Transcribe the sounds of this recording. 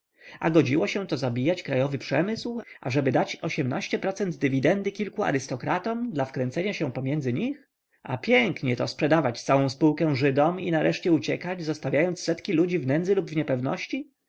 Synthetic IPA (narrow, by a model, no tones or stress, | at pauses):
a̰ɡɔd͡ʑiwɔɕɛ̃t̪ɔzabʲijat͡ɕkɾajɔvɘpʂɛmɘswʔa̰ʐɛbɘd̪at͡ɕɔɕɛmnaɕt͡ɕɛpɾɔt̪sɛnd̪ːɘvʲid̪ɛnd̪ɘkʲilkua̰ɾɪst̪ɔkɾat̪ɔmd̪lafkɾɛnt̪sɛɲaɕɛ̃pɔmʲjɛnzɘɲix | a̰pʲjɛŋkɲɛt̪ɔ̰spʂɛd̪avat͡ɕt̪sawɔ̃w̃spuwkɛ̃w̃ʐɘd̪ɔminaɾʔɛʂt͡ɕɛut͡ɕɛkad͡ʑzɔst̪avʲjajɔnt̪sːɛt̪kʲilud͡ʑivnɛnd̪zɘlubvɲɛpɛvnɔ̰ɕt͡ɕi